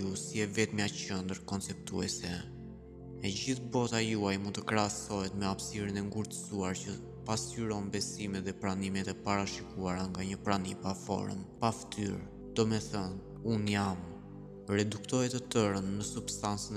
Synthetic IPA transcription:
usiɛvɛt̪miat͡ɕənd̪əɾkɔnt͡sɛp̚t̪uɛsɛ | ɛɟiθbɔt̪ajuajmunt̪əkɾasɔɦɛt̪mɛafsiɾinɛŋɡuɾt̪ə̥suaɾt͡ɕə | pasyɾɔnbɛsimɛt̪ðɛpɾanimɛt̪ɛpaɾaʃikuaɾaŋɡaɲəpɾanḭpafɔ̰ɾə̰mpaft̪ʰy̰ɾ | d̪̥ɔmɛθɔn | unjam | rɛd̪ukt̪ɔjɛt̪ət̪əɾənːəsubst̪ant͡sən

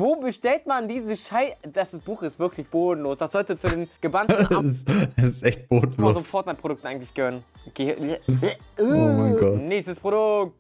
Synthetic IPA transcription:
voːbəʃtɛltmandiːzəʃaɪdassb̥uːxɪstv̥ɪɐkʰlɪçb̥oːdn̩loːsv̥asz̥ɔltət͡sudeːmɡ̥əbant̩nasɛsɪstʔɛçt̚b̥oːdn̩lːozonfɔɐtmaɪpʁoɾʊk̚tn̩aɪɡŋ̩tlɪçɡ̥əhøːʁənɡ̥eaomaɪnɡɔtnestəspʁ̥odʊk̚t

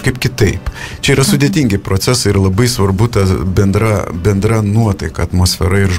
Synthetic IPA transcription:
ʃkɐɪpkʲɪt̪ɐɪpt͡ʃʲɛiːɾɐsʊd̪ʲeɛt̪ʲiŋʲɡʲɪpɾoːt̪sʲɛsɐɪɪɾlˠɐbɐɪsʋɐɾbʊt̪ɐbʲɛnd̪ɾɐbʲɛnd̪ɾɐnuɔt̪ɐɪkɐɐt̪moːsʲfʲɛɾɐɪɾ

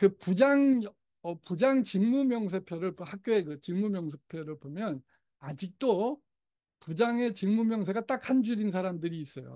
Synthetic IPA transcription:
kɯpud͡ʑaŋ | ʌpud͡ʑaŋt͡ɕɯŋmumjʌŋs̬ʰe̞pʰjoɾɯɭphak̚k͈joekɯt͡ɕɯŋmumjʌŋsʰepʰjʌɾɯɭbomjʌn | ad͡ʑik̚t͈o | pud͡ʑaŋe̞t͡ɕɯŋmumjʌŋsʰe̞ɡat͈ak̚ʰhand͡ʑuɾinsʰaɾamdɯɾiːs͈ʌjo̰

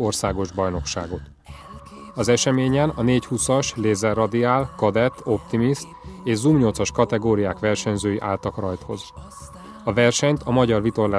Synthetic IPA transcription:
o̞rsaːɡo̞ʒbɒjno̞kʃa̰ːɡo̞t̪ | ɒzɛʃɛmeːɲɛnɒneːchusɒʃleːzɛrːɒd̪iaːlkɒd̪ɛt̪ːo̞pt̪imist̪eːʒzuːmɲo̞lt̪sɒʃkɒt̪ɛɡoːɾijaːkʋɛrʃɛɲzøːjiʔaːlt̪ɒkrɒjt̪ho̞̰z | ɒvɛrʃɛɲt̪ʰɒmɒɟɒrvit̪o̞rlaː

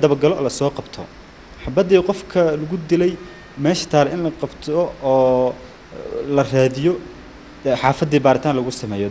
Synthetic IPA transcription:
d̪ɐβɐɡɐlɔːlɐsɔːqɑbt̪ʰɔ̰ | ħɑbɐd̪iːqɔfkʰɐlɐɣʊd̪ɪlɛj | mɛːʃɐ̥t̪ʰaːɾɛɪnlɐqɑbt̪ʰɔː | lɐraːðɪjɔ | ħɑːfɐd̪iːbaːɾɪt̪ʰaːnlɐɣʊsɐmɛːjɔ

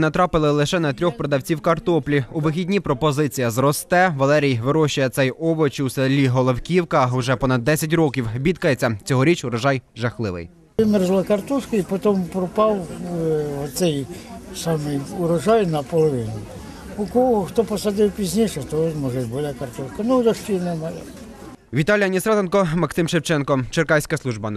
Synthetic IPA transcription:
nɐt̪ɾɑpɪlˠɪlˠɪʃɛnɐt̪ɾʲɔxpɾɔd̪ɐwt͡sʲiwkɐrt̪ɔplʲiʊʋɪxʲidʲnʲipɾɔpɔzɪt͡sʲijɐzrɔst̪ɛʋɐlˠɛɾʲijʋɪɾɔʃʊjɐt̪sɛjɔbɔt͡ʃiwsɛlʲːiɦɔlˠɔwkʲiwkɐʊʒɛpɔnɐd̪̚ːɛsʲɐt̬ʲrɔkʲiwbʲit̪kɐjet͡sʲːɐt͡sʲɔɦɔɾʲit͡ʃʊɾɐʒɑjʒɐxlˠɪʋɪ̰j | ɪmɛrzlˠɐkɐrt̪uʃkɪipɔt̪ɔmpɾɔpɑw | ɔt̪sɛjsɑmɪjʊɾɐʒɑjnɐpɔlˠɔʋɪnʊ | ʊkɔɦɔxt̪ɔpɔsɐd̪ɪwpʲizʲnʲiʃɛt̪ɔʒmɔʒɛt̪̚ʲbɔlʲakɐrt̪ɔʃkɐnʊd̪ɔʃt͡ʃinɛmɐjɛ | ʋʲit̪ɑlʲijɐnʲisɾɑt̪enkɔmɐksɪmʃewt͡ʃɛnkɔt͡ʃerkɑjsʲkɐslˠuʒbɐ

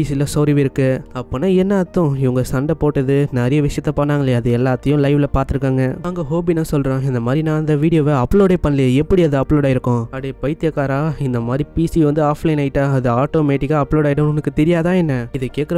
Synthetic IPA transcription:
piːsilɐsoːɾɪʋɪɾɯkːɯɐpːoːnaːɛnːaːt̪ːʊ̃ɪʋɐŋɡɐsɐɳɖɐpoːʈːɐðɯnɛɾɐjɐʋɪʂɪjɐt̪ːɐpɐnːaːŋɡɐlɪjɐɐðɯɛlːaːt̪ːɐjʊ̃lɐɪʋɪlɐpaːɾt̪ɯɾɯkːaːŋɡɐnaːŋɡɐɦoːbinãːsɔlɾõːɪnd̪ɐmaːd̪ɾinãːɐnd̪ɐʋiːɽɪjoːʋeɐpːloːɽepɐɳːɐlɪjɐɛpːɐɽiɐðɯɐpːloːɽaːɪɾɯkːʊ̃ɐɽeːpɐɪt̪ːɪjɐkaːɾaːɪnd̪ɐmaːd̪ɾipiːsiʋɐnd̪ɯaːflɐɪnɐɪʈːaːɐðɯaːʈːoːmeːʈːɪkːaːɐpːloːɽaːɪɽɯ̃ʊŋɐkːɯt̪ɛɾɪjaːðãːɛnːɐɪðɛkːeːʈ̚kɐɾɐ

